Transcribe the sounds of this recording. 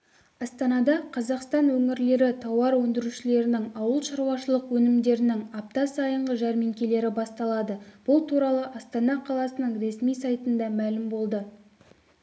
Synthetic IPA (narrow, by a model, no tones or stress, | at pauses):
ɑst̪ɑnɑd̪ɑqʰɑzɑqst̪ɑnwɵŋɪɾle̞ɾɪt̪ʰɑwɑɾwɵnd̪ɪɾuʃɪle̞ɾɪnɪŋɑwəlˠʃɑɾwɑʃəlˠəqwɵnɪmd̪e̞ɾɪnɪŋɑp̚t̪ɑsɑjəɴʁəʒɑɾmeŋkʲe̞le̞ɾɪbɑst̪ɑlˠɑd̪əb̥ʊlˠt̪ʰuɾɑlˠəʔɑst̪ɑnɑqʰɑlˠɑsənəɴɾe̞smijsɑjt̪ənd̪ɑmælɪmbo̞lˠd̪ə